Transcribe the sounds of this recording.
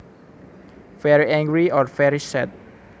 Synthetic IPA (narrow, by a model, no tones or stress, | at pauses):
vɛɹiɛ̃ŋɡɹiɔɹfɛɹisɛt̪̚